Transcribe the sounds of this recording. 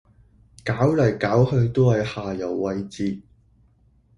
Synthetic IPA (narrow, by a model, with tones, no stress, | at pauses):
kaː˨˥wlɐ˨˩jkaː˨˥whɵ˧ɥt̪o˥hɐ˨jhaː˨jɐ˨˩wːɐ˧jt͡siː˧